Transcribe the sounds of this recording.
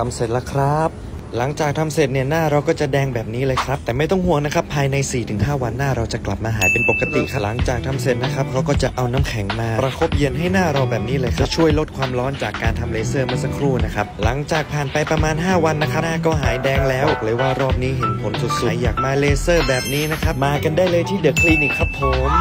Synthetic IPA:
a˧mse˨˩t̪̚la˧˩kʰɾa˦˥pp̚ | la˩˦ŋt͡ɕaː˨˩k̚t̪ʰa˧mse˨˩t̪̚ni˧˩ənaː˥˩ɾa˧wkɔː˥˩t͡ɕa˨˩dɛː˧ŋbɛː˨˩p̚niː˦˥lɤː˧jkʰɾa˦˥p̚t̪ɛː˨˩ma˥˩jt̪ɔ˥˩ŋhu˥˩əŋna˦˥kʰa˦˥pʰːaː˧jna˧jsiː˨˩t̪ʰɯ˨˩˦ŋɦaː˥˩wa˧nːaː˥˩ɾa˧wt͡ɕa˨˩kla˨˩p̚maː˧ɦaː˩˦jpe˧npo˨˩kːa˧t̪ḭ˨˩kʰa˥˩la˨˩˦ŋt͡ɕaː˨˩k̚t̪ʰa˧mse˨˩t̪̚na˦˥kʰɾa˦˥p̚kʰa˦˥wkɔː˥˩t͡ɕa˨ʔa˧wnaː˦˥mkʰɛ˩˦ŋmaː˧ɾa˧kʰo˦˥p̚je˧nɦa˥˩jnaː˥˩ɾa˧wbɛː˨˩p̚niː˦˥lɤː˧jkʰa˥˩t͡ɕʰu˥˩əjlo˦˥t̪̚kʰwaː˧mlɔː˦˥nt͡ɕaː˨˩kːaː˧nt̪ʰa˧mleː˧sɤː˥˩ma˥˩sa˧kʰɾuː˥˩na˦˥kʰɾa˦˥p̚la˩˦ŋt͡ɕaː˨˩k̚pʰaː˨˩npa˧jpɾa˧maː˧nɦaː˥˩wa˧nːa˦˥kʰa˦˥naː˥˩kɔː˥˩ɦaː˩˦jdɛː˧ŋlɛː˦˥wlɯ˨˩˦waː˥˩ɾɔː˥˩p̚niː˦˥ɦe˨˩˦npʰo˨˩˦nsu˨˩t̪̚sa˨˩˦jːaː˨˩k̚maː˧leː˧sɤː˥˩bɛː˨˩p̚niː˦˥na˦˥kʰɾa˦˥p̚maː˧ka˧ndaː˥˩jlɤː˧jt̪ʰiː˥˩dɯ˨˩˦kʰliː˧niː˨˩kʰa˦˥pʰːo˨˦˩m

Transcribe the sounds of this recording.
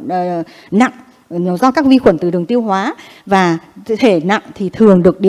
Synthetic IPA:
na̰˧˨ŋ˨ | zɔ˧kaː˦˥k̚vi˧xwə˧˩nt̪ɨ˨˩ɗɨ˨˩əŋt̪i˧əwɦwaː˨˦ | vaː˨˩t̪ʰe˧˩na̰˧˨ŋt̪ʰi˨˩t̪ʰɨ˨˩əŋɗɨ˨˩ək̚ɗi˧˨

